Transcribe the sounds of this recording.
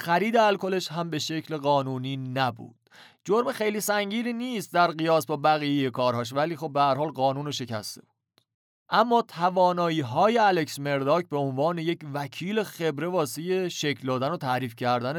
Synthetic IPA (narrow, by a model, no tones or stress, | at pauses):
xæɾiːd̪eælkʰo̞le̞ʃɦæmbe̞ʃe̞cʰle̞ɣɢɒːnuːniːnæbṵːd̪̥ | d͡ʒoɾmexe̞jliːsæŋɟiːɾiːniːst̪̚d̪æɾɢijɒːsbɒːbæɣiːjejekʰɒːɾhɒːʃ̬væliːxo̞b̚behæɾhɒːlɢɒːnuːnoʃe̞cʰæ̰st̪ʰe̞̰b̥u̥d̪̥ | ʔæmːɒːt̪ʰævɒːnɒːjiːɦɒːje̞æle̞ksme̞ɾd̪ɒːcbeo̞nvɒːne̞je̞cvæcʰiːlexe̞bɾe̞vɒːseje̞ʃe̞cʰld̪ɒːd̪ænot̪ʰæɾiːfcʰæɾd̪æn